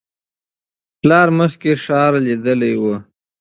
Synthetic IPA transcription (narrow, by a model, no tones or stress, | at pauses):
plɑɾməxkeʂɑɾlid̪əlajwə